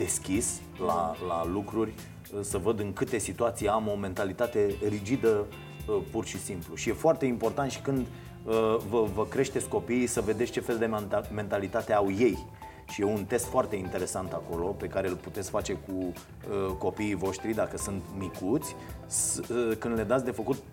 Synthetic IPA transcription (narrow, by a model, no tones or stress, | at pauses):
d̪̥e̞skʲis | lalalukɾurʲ | əsəvəd̪ɨŋkɨt̪e̞sit̪uat̪sijeamo̞me̞nt̪alit̪at̪e̞rid͡ʒid̪ə | əpurʃisimpluʃije̞foart̪e̞impo̞rt̪ant̪ʃi̥kɨnd̪ | əvəvəkɾe̞ʃt̪esʲko̞piːsəve̞d̪e̞tsʲt͡ʃe̞fe̞ld̪eme̞nt̪alit̪at̪e̞awje̞j | ʃijeunt̪e̞st̪foart̪e̞int̪e̞ɾe̞sant̪ako̞lo̞pe̞kaɾe̞lput̪et̪skfat͡ʃe̞ku | əko̞piːvo̞ʃt̪ɾid̪akəsɨnt̪mikut̪sʲskɨnd̪le̞d̪at̪sʲd̪e̞fəkut̪̚